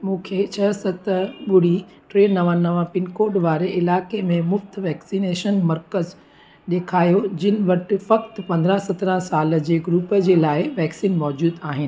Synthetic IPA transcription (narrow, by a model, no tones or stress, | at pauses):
mũːkʰeːt͡ɕʰɐsɐt̪ɐɓʊɽ̤i | ʈɾeːnnɐʋãnɐʋãpɪnkoːɖʋaːɾeʔɪlaːkemẽmʊft̪ʋɛːksineːʃənmɐɾkəz | ɗ̪eːkʰaːjod͡ʑɪnɪ̆ʋɐʈɪ̆fɐkt̪pɐ̃nd̪ɾə̃sɐt̪ɾə̃saːlə̆d͡ʑeːɡɾuːpəd͡ʑeːlaːɪʋɛːksiːnmɔːd͡ʑuːd̪aːɦɪnɪ̆